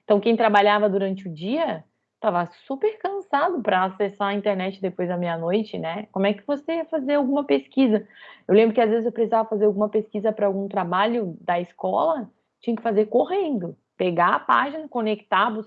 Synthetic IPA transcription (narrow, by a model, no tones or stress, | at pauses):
t̪ɐ̃w̃kẽj̃t̪ɾabaʎavɐd̪uɾɐ̃nt͡ʃɪʊd͡ʒiɐ | t̪avɐsupeɾkɐ̃sad̪ʊpɾɐasesaɐĩnt̪eɾnɛt͡ʃɪd̪epojzd̪ɐmĩɲɐnojt͡ʃɪnɛkõmʊɛkɪvoseiɐfazeɾawɡũmɐpeskizɐewlẽmbɾʊkɪazvezɪzewpɾesizavɐfazeɾawɡũmɐpeskizɐpɾɐawɡũt̪ɾabaʎʊd̪ɐɪskɔlɐ | t͡ʃĩɲɐ̃kɪ̥fazeɾkoɦẽnd̪ʊ | peɡapa̰ʒinɐkõnekt̪abʊs